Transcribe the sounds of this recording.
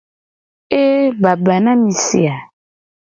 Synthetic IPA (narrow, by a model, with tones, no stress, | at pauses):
e˦ba˨ba˨nã˦mĩ˨sḭ˨a˨